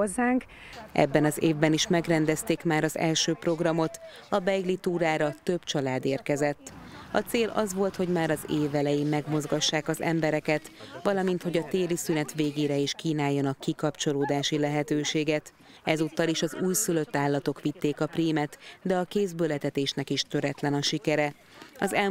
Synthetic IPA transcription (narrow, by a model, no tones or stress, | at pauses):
ozːaːŋk | ʔɛ̰bːɛnɒzeːvbɛniʃmɛɡrɛnd̪ɛst̪eːkmaːɾɒzɛ̰lʃøːpro̞ɡrɒmo̞t̪ | ɒbɛjɡlit̪uːɾaːɾɒt̪ø̞b̥t͡ʃɒlaːd̪eːrkɛzɛt̪ːɒ̰t̪seːlɒ̰zʋo̞lt̪ho̞ɟmaːɾɒzeːvɛlɛjeːmmːɛɡmo̞zɡɒʃːaːkɒzɛ̰mbɛɾɛkɛt̪ʋɒlɒmint̪ho̞ɟɒt̪eːlisynɛt̪ʋeːɡeːɾɛiʃkiːnaːjːɒnɒkːikɒpt͡ʃo̞loːd̪aːʃilɛɦɛt̪øːʃeːɡɛt̪ | ɛzuːt̪ːɒliʃɒzuːjsylø̞t̪ːaːlːɒt̪o̞kʋit̪ːeːkɒpriːmɛt̪d̪ɛɒkeːzbølɛt̪ɛt̪eːʃnɛkiʃt̪ø̞ɾɛt̪lɛnɒʃikɛɾɛ | ɒzɛ